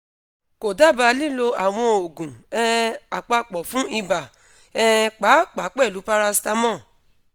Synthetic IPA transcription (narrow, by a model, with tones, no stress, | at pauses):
ko˨da˦˨ba˧li˦˨lo˧a˨w̃ɔ̃˧o˨ɡũ˨ɛ˦˧a˨k͡pa˧k͡pɔ˨fũ˦i˧ba˨ | ɛ˦˧k͡pa˨˦k͡pa˨˦k͡pɛ˦˨lu˨˦pa˦ɾa˧sta˦mɔ̃˦˨